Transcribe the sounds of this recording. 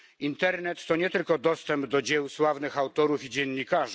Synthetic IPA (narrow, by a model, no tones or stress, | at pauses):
int̪ɛɾnɛt̪ːɔɲɛt̪ɘlkɔd̪ɔst̪ɛmbd̪ɔd͡ʑɛwswavnɘxawt̪ɔɾufid͡ʑɛnːikaʐ